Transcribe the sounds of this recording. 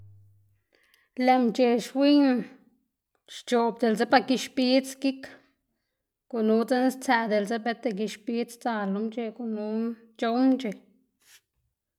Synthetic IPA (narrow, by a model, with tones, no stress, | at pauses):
le˨mt͡ʃe˨ʃwi˦n | ʃt͡ʃo˨b̚d̪e˨lze˦pa˧ki˧ʃpi˦t͡ski˦k | ɡ̥u˨nu˦t͡se˦n˦st͡sæ˧d̪e˨lze˦be˦t̪e˧k̬i˧ʃpi˦t͡st͡sa˧lo˧˦mt͡ʃe˧ku˨nu˦ | t͡ʃo˧˦wnt͡ʃe˨